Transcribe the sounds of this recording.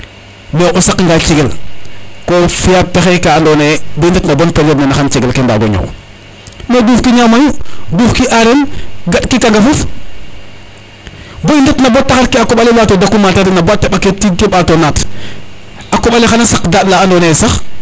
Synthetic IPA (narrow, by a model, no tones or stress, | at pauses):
moʔosakŋɡat͡ʃiɡel | kofijap̚texekandoːneboindetnabonpeletnenaxant͡ʃiɡelkenda̰ɡo̰ɲo̰w | meduːfkiɲamajuduːfkiʔaɾenɡaɗkikaŋɡafuf | boindetnabot̚tːaxaɾkiakoɓalelaːtodakːumatadinabot̚tːeɓaketikiɓatonat | akoɓalexanasakdatlaːndoːnesax